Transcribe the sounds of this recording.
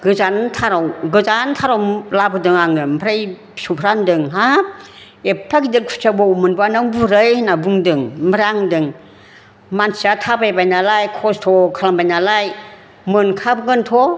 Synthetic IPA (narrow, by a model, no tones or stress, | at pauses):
ɡɯzantʰaɾawɡɯzantʰaɾɔwmlabɯdɯŋaŋɯm̩pʰɾaj | supʰɾandɯŋɦa | epʰɾakidɯkʰu̥sʰabɔumɯnbanɯŋbuɾɯjnabuŋdɯŋmbɾaŋdɯŋ | mansiatʰabajbajnalajkʰɔstʰɔkʰalaŋbajnalaj | mɯnkʰabɯɡɯntʰɔ